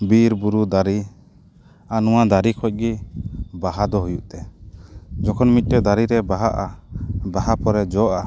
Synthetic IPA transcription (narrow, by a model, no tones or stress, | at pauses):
biɾbuɾud̪aɾi | anuwad̪aɾikʰɔc̚ˀɡibaɦad̪ɔɦujuʔt̪ɛ | d͡ʒɔkʰɔnmit̪̚ˀtɛd̪aɾiɾɛbaɦaʔabaɦapɔɾɛd͡ʒɔʔa